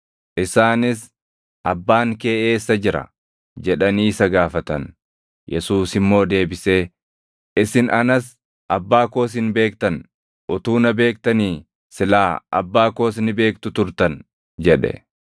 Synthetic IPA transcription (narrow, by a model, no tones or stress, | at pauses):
ʔɪsaːnɪs | ʔɐbːaːŋke̞ːʔeːsːɐd͡ʒɪɾɐ̰ | d͡ʒɛᶑɐniːsɐɡaːfɐt̪ɐ̰n | jʔɛsuːsɪmːo̞ːd̪e̞ːbɪse̞ː | ɪsɪnɐnɐs | ʔɐbːaːko̞ːs̬ɪnbe̞ːkt̪ɐn | ʔʊt̪uːnɐbe̞ːk̚t̪ɐniː | sɪlaːʔɐ̰bːaːko̞ːsnɪbe̞ːk̚t̪ʊt̪ʊɾt̪ɐn | d͡ʒɛᶑɛ̰